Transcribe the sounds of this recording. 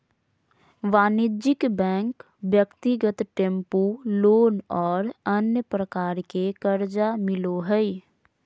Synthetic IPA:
ʋaːnid͡ʒɪkbɛ̃ːŋk | bjəkt̪iɡət̪ʈẽmpuloːnɔːɾənjəpɾəkaːɾkekəɾd͡ʒamɪloɦəɪ

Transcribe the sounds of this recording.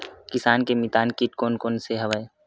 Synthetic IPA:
kɪsaːnkemit̪aːnkiʈkoːnkoːnseɦɐʋaːe

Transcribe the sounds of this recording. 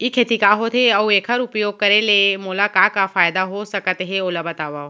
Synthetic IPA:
jikʰeːt̪ikaɦot̪ʰeɐweːkʰəɾʊpjoːɡ̚kɐɾelemʊlakaːkafaːjd̪aɦosɐkət̪ɦeolabɐt̪aːʋa

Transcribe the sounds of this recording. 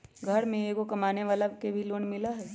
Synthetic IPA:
ɡʱɐɾmẽeːkokɐmaːneʋaːlakebʱiloːɳmɪlaɦɛː

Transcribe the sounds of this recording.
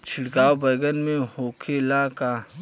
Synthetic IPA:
t͡ʃʰɪɽkaːwbɐɡənmẽhoːkʰelakaː

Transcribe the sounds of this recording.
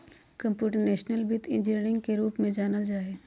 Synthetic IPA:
kɐ̃mpjuːʈəɾneːʃnəlbɪt̪ɪ̰̃nd͡ʒɪɾɾɪ̃ŋɡkeɾuːpmẽd͡ʒaːnəld͡ʒaːeː

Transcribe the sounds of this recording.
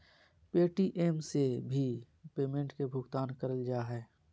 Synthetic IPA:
peːʈiʔeːmsebʱi | peːmẽɳʈkebʱʊɡt̪aːnkəɾəld͡ʒaːɦɛː

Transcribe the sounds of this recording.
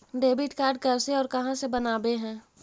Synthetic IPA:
ɖeːbɪʈkaːɾɖ̚kɐɾseɔːɾkɐɦãsebɐnaːbeɦɛ̃ː

